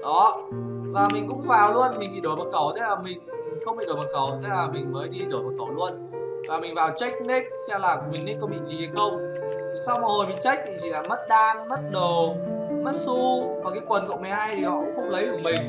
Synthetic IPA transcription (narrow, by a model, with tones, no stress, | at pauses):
ɗɔ˨˦ | vaː˨˩mï˨˩ŋ̟kʊ̰˧˥ŋ͡mvaː˨˩wlu˧ənmï˨˩ŋ̟ɓḭ˧˨ɗo˧˩məː˨˩kə˧˩wt̪ʰe˨˦laː˨˩mï˨˩ŋ̟i˨˩ŋxə˧wŋ͡mɓḭ˧˨ɗo˧˩məː˨˩tkə˧˩wt̪ʰe˨˦laː˨˩mï˨˩ŋ̟məː˨˦jɗi˧ɗo˧˩jmə˨˩kə˧˩wlu˧ən | vaː˨˩mï˨˩ŋ̟vaː˨˩wt͡ɕa˦˥k̟̚ni˦˥k̚sɛ˧wlaː˨˩kmi˨˩ŋɗi˦˥kɔ˨˦ɓḭ˧˨nzi˨˩ha˧jxə˧wŋ͡m | sa˧wma˨˩ho˨˩jmï˨˩ŋt͡ɕa˦˥jk̟̚t̪ʰi˨˩zi˧˨˩laː˨˩mə˦˥t̚ɗaː˧nmə˦˥t̚ɗo˨˩mə˦˥t̚su˧maː˨˩kaː˨˦jkwə˨˩nkə̰˧˨wma˨˩jhaː˧jt̪ʰi˨˩hɔ̰˧˨kʊ̰˧˥xə˧wŋ͡mlə˨˦jkɨ˧˩əmï˨˩ŋ̟